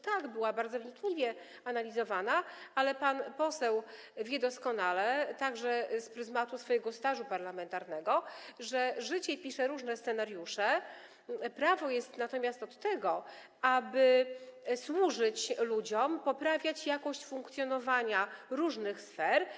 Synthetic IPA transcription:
t̪aɡbɘwabaɾd̪zɔvɲikɲivʲjɛ | analʲizɔvanaalɛpanpɔsɛw | vʲjɛd̪ɔskɔnalɛt̪aɡʐɛspɾɘzmat̪usfɔjɛɡɔst̪aʐupaɾlamɛnt̪aɾnɛɡɔʐɛʐɘt͡ɕɛpʲiʂɛɾuʐnɛst̪sɛnaɾjuʂɛ | pɾavɔjɛst̪nat̪ɔmʲjast̪ɔt̪ːɛɡɔ | abɘ | swuʐɘt͡ɕlud͡ʑɔmpɔpɾavʲjat͡ɕjakɔɕt͡ɕfuŋkt̪sʲjɔnɔvaɲaɾuʐnɘxsfɛɾ

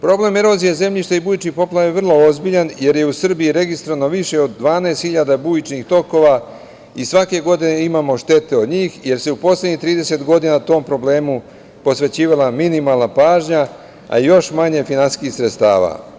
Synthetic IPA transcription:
pɾo̞ble̞meɾo̞ːzijeze̞mʎiʃt̪aibuːjit͡ʃnipo̞plˠajeʋr̩lˠo̞ozbiʎanje̞ɾje̞usr̩bijiɾe̞ɡist̪ɾoano̞ʋiʃe̞o̞d̪ːʋaːnaest̪xiʎad̪abujit͡ʃnixt̪o̞ko̞ʋa | isʋake̞ɡo̞d̪ine̞imaːmo̞ʃt̪e̞t̪e̞od̪ɲiːxje̞ɾseupo̞slʲedɲixt̪ɾiːd̪e̞se̞t̪ɡo̞d̪inat̪o̞ːmpɾo̞ble̞ːmu | po̞sʋe̞t͡ɕiːʋalaminimaːlˠnapaːʒɲa | a̰ijo̞ʃmaɲe̞finansi̥skixsɾet̪st̪a̰ːʋa̰

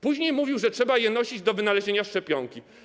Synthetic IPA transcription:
puʑɲejmuvʲiwʐɛtʂɛbajɛnɔɕid͡ʑd̪ɔvɘnalɛʑeɲaʂt͡ʂɛpʲjɔŋkʲi

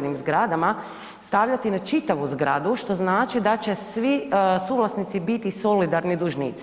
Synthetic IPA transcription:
nimzɡɾad̪ama | st̪aʋʎat̪inat͡ʃit̪aʋuzɡɾa̰d̪uʃt̪o̞znaːt͡ʃid̪at͡ɕe̞sʋisuvlˠasnit̪sibit̪iso̞lid̪aɾnid̪uʒnḭːt̪s

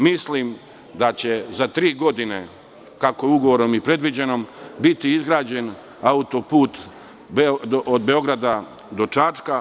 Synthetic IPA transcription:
mislim | d̪at͡ɕe̞zat̪ɾiːɡo̞d̪ine̞ | kakouɡoʋoɾomipɾe̞d̪ʋid͡ʑe̞no̞mbit̪iizɡɾaːd͡ʑe̞n | aut̪o̞puːt̪ | beoʔod̪be̞o̞ɡɾad̪a | d̪o̞t͡ʃat͡ʃka

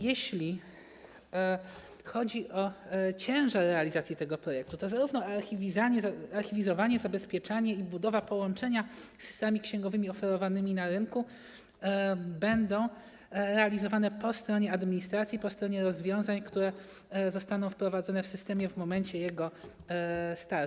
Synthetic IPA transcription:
jɛɕlʲi | xɔd͡ʑiʔɔt͡ɕɛ̃w̃ʐaɾːɛalʲizat̪sʲjit̪ɛɡɔpɾɔjɛk̚t̪ut̪ɔzaɾuvnɔaɾxʲivʲizaɲɛzaɾxʲivʲizɔvaɲɛzabɛspʲjɛt͡ʂaɲɛibud̪ɔvapɔwɔnt͡ʂɛɲasɨ̥st̪mamʲikɕɛ̃ŋɡɔvɘmʲiɔfɛɾɔvanɘmʲinaɾɘnku | bɛnd̪ɔ̃w̃ | ɾɛalʲizɔvanɛpɔst̪ɾɔɲɛad̪mʲiɲist̪ɾat̪sʲjipɔst̪ɾɔɲɛɾɔzvʲjɔ̃w̃zaɲkt̪uɾɛ | zɔst̪anɔ̃w̃fpɾɔvad̪zɔnɛfsɘst̪ɛmʲjɛvmɔmɛɲt͡ɕɛjɛɡɔ | st̪aɾ

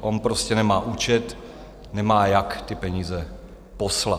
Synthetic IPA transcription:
ʔonpɾoscɛnɛmaːʔuːt͡ʃɛt̪ | nɛmaːjakt̪ɪpɛɲiːzɛ | posla

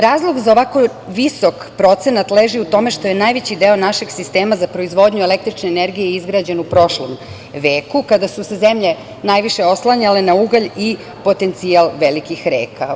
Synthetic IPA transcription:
ɾaːzlˠo̞ɡzaoʋako̞ | ʋisokpɾo̞t̪senat̪leːʒiut̪o̞me̞ʃt̪o̞jenajʋet͡ɕid̪eo̞naʃeɡsist̪e̞ːmazapɾo̞izʋo̞d̪ɲuele̞k̚t̪ɾit͡ʃneːneɾɡijeizɡɾaːd͡ʑenupɾo̞ʃlo̰m | ʋe̞ːkukad̪asuseze̞mʎe̞ | najʋiʃeo̞slˠaɲale̞nauɡaʎi | po̞t̪e̞nt̪sialˠʋelikixɾḛːka

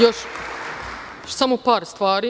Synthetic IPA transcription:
joʃ | samopaːɾst̪ʋaːɾi

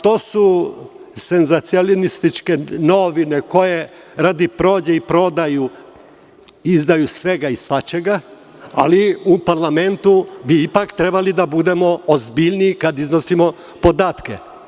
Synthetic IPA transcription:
t̪o̞ːsu | se̞nzat̪siolinist̪it͡ʃke̞no̞ʋine̞ko̞je̞ | ɾad̪ipɾo̞ːd͡ʑeipɾo̞d̪aju | izd̪ajusʋe̞ɡaisʋat͡ɕeɡa | a̰liupaɾlˠame̞nt̪ubiipakt̪ɾe̞balid̪abud̪e̞mo̞ozbiʎnikad̪izno̞simo̞ | po̞d̪aːt̪kḛ

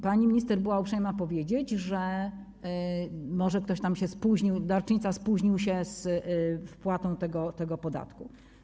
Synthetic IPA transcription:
paɲimʲɲist̪ɛɾbɘwaupʂɛjmapɔvʲjed͡ʑed͡ʑʐɛ | mɔʐɛk̚t̪ɔɕt̪amɕɛspuʑɲiwd̪aɾt͡ʂɲit̪saspuʑɲiwɕɛsfpwat̪ɔ̃w̃t̪ɛɡɔt̪ɛɡɔpɔd̪a̰t̪ku

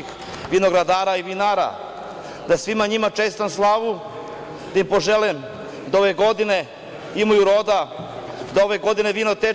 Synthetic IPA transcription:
x | ʋinoɡɾad̪aːɾaiʋinaːɾa̰ | d̪asʋimaɲimat͡ʂest̪amslˠaʋu | d̪aimpo̞ʒelɛm | d̪aoʋeɡo̞d̪ine̞ | imojuɾo̞d̪a | d̪ao̞ʋeɡo̞d̪ine̞ʋinot̪e

